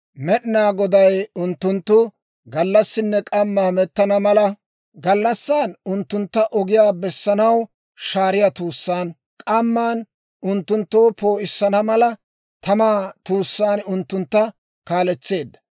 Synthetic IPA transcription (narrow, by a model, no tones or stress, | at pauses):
mɛɗɪnaːɡɔd̪ɐjʊnt̪ːʊnt̪ːʊ | ɡɐlːɐsːɪnːɛkʼɐmːaːmɛt̪ːɐnɐmɐlɐ | ɡɐlːɐsːaːnʊnt̪ːʊnt̪ːɐʔɔɡɪjaːbɛsːɐnɐw | ʃaːɾɪjat̪uːsːaːn | kʼɐmːaːn | ʊnt̪ːʊnt̪ːo̞ːpo̞ːʔɪsːɐnɐmɐlɐ | t̪ʰɐmaːt̪uːsːaːnʊnt̪ːʊnt̪ːɐ | kaːlɛt͡sːe̞ːd̪ːɐ̥